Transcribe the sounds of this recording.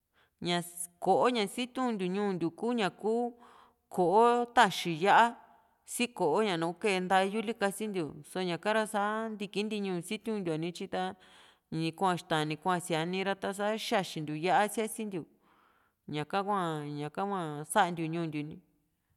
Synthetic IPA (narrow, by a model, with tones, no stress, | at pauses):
ɲã˧ | ko˨ʔo˦ɲã˧si˦t̪ʲũ˦˧nd̪ʲu˨ɲũː˦˨nd̪ʲu˨kuː˦ɲã˨kuː˦ | kʰo˨ʔo˦t̪a˦˧ʃi˧ja˦ʔa˦ | si˦ko˨ʔo˦ɲã˨nũː˨˦ke˦˧nd̪a˧ju˦li˦ka˧si˦nd̪ʲu˨so˧˦ɲã˨kã˦ɾa˧sa˦nd̪i˧ki˦nd̪i˧ɲũː˧˨˧si˦t̪ʲũ˦nd̪ʲu˧a˨nĩ˧t͡ʃi˧t̪a˧ | ɲĩ˧kʷã˧ʃt̪ã˨nĩ˧kʷã˧si˧a˧nĩ˧ɾa˧t̪a˧s̬a˦ʃa˦˧˨ʃi˧nd̪u˨ja˦ʔa˦sja˦si˦nd̪ʲu˨ | ɲã˨kã˦kʷã˧˨ɲã˨kã˦kʷã˧˨sa˦ʔnd̪ʲu˨ɲũː˧˨nd̪ʲu˨nĩ˧